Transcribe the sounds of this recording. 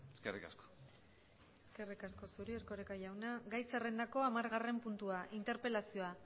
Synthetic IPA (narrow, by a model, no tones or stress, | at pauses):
eskerika̰sko̥ | eske̞rikasko̞suɾieɾkoɾekaʝawnaɡajsere̞nd̪ako̞amaɾɣare̞mpunt̪uaʔint̪e̞ɾpe̞lasio̞a